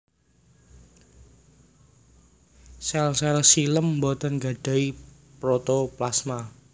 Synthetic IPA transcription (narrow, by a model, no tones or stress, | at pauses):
salsalasiləmːbɔt̪ənɡa̤ɖ̥a̤i | pɾɔt̪ɔplasma